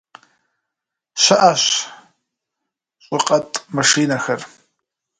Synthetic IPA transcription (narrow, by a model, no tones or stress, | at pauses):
ɕʷaʔaʃ | ɕʷʼɪqʼɐtʼmaʂiːnaxɐr